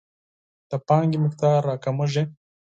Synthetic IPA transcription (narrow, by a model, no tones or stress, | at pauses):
t̪ɐpaːŋɡimikt̪aːɾːaːkɐmuʒe